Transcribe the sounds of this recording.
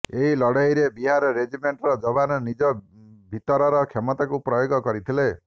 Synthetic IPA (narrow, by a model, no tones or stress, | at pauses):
eɦilɔɽɔjɾebiɦaɾɔɾed͡ʒimeɳʈɾɔd͡ʒɔbanɔnid͡ʒɔ | bʱit̪ɔɾɔɾɔkʰemɔt̪akupɾɔjoɡɔkɔɾit̪ʰile